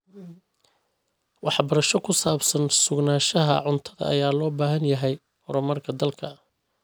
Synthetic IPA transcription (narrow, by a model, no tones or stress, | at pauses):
wɑħbɐɾɐʃɔkʰʊsaːbsɐnsʊɡnaːʃɐɦɐ̰ʕʊnt̪ʰɐðɐ̰ɐ̰jaːlɔːbaːɦɐnjɐɦɛj | hɔɾɔmɐrkʰɐd̪ɐlkʰɐ